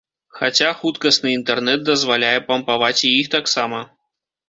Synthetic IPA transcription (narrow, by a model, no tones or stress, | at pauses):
xat͡sʲaxut̪kɐsnɨint̪ɛrnɛd̪̚d̪ɐzvalʲajɛpɐmpavat͡sʲjixt̪aksamɐ